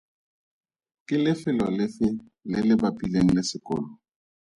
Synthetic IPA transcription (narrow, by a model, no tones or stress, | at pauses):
kɪlɪfɪlɔlɪfɪ | lɪlɪbapʼileŋ̩lɪsɪkʼʊ̰ːlɔ